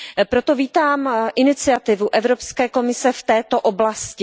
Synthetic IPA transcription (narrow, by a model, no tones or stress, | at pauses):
pɾot̪o̞viːt̪aːmʔɪnɪt͡sɪat̪ɪvuʔɛvɾo̞pskɛːko̞mɪsɛft̪ɛːt̪o̞ʔoblascɪ